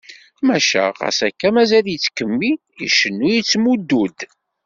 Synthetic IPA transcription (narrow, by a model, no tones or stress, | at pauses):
mæʃæ̰ʁɑ̰sækːæmæzæljit͡sːkəmːi | ḭʃənːujit͡sːmud̪ːud̪